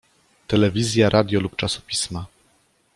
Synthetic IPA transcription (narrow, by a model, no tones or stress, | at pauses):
t̪ɛlɛvʲizʲjaɾʔad̪ʲjɔlupt͡ʂasɔ̥pʲisma